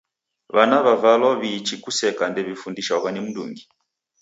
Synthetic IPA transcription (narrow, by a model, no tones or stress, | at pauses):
βanaβavalɔβit͡ʃikusɛkandɛβifundiʃaɔβanim̩dṵŋɡi